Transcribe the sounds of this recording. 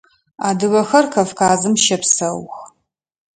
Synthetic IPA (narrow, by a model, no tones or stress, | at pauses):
aːdɨɣɐxɐrkʰɐfkaːzɨmʃɐpsɐwx